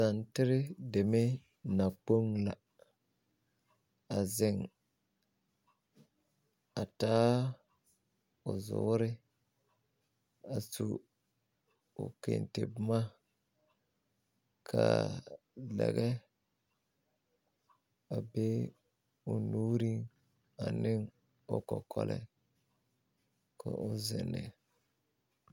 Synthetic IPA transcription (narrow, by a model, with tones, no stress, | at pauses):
sa˨ntɪ˦ɾɪ˦de˨me˦ | na˨k͡po˦ŋla˨ | a˨zɪ˨ŋ | a˨taː˦ | ʊ˨zʊ̰˨˦ɾɪ˦ | a˨su˨ | ʊ̰˨kḛ˨ntḛ˨bma˦ | kʰa˨ | lɛ˨ɣɛ˦ | a˨bɛ˦ | ʊ˨nu˦ɾi˦ŋ | a˨nɪ˦ŋ | ʊ˦kɔ˨kʰɔ˦lʔɛ̰˦ | kʰo˨ʔʊ˦zɪ˨nːɪ˨